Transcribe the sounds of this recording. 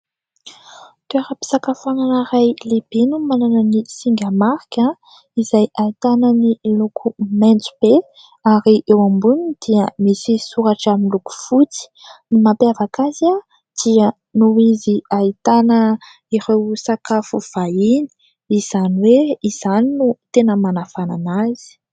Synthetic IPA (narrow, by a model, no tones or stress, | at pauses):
t̪ueɾəpi̥sakafuananaɾajlib̥inumananənisiŋɡamaɾkʲa | izajait̪anənilukʰumɛnt͡su̥b̥e | aɾiʔewãmbunid̪̥iəmisisuɾaʈ͡ʂaminluku̥fut͡si̥nimapeavakaza | d̪̥iə | nuiziait̪anə | iɾewsakafuv̥aini̥ | iz̥aniweiz̥aninut̪enəmanafana̰naz̥i̥